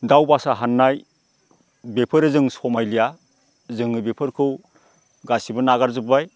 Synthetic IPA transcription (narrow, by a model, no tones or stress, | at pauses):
dawbasaɦanːaj | bepʰɯɾezɯŋsɔmajlija | zɯŋɯbepʰɯɾkʰɯw | ɡasibɯnaɡaɾzɯbaj